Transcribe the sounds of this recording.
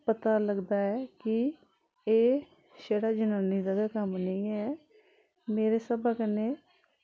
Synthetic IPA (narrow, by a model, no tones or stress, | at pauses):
pət̪aːləɡd̪aːɛːkɪ | eː | ʃeːɽaːd͡ʒənaːniːd̪əɡaːkəmnĩːɛː | meːɾeːsəbaːkəneː